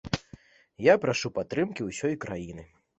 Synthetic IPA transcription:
japɾaʂupat̪ːɾɨmkʲiwsʲɔjkɾajinɨ

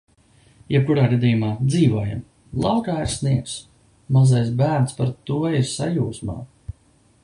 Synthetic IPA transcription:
jɛp̚kuɾaːɡad̪ʲijumaːd̪ziːvuɔja̰m | lˠawkaːiɾsniɛks | mazajsbæːɾnspaɾt̪uɔiɾsajuːsma̰ː

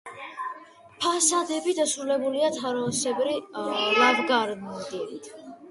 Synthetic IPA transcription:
pʰasad̪ɛbid̪asɾulɛbuliat̪ʰaɾɔsɛbɾilavɡaɾmd̪ilit̪ʰ

